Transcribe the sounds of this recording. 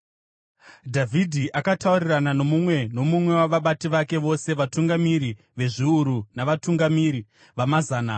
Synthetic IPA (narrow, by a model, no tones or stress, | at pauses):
dʱavʱidʱiʔakatauriranano̞mumwe̞no̞mumwe̞waʋaɓatiʋake̞ʋo̞se̞ʋatuŋɡamiɾi | ʋe̞ʐiuɾunaʋatuŋɡamiɾi | ʋamazaːna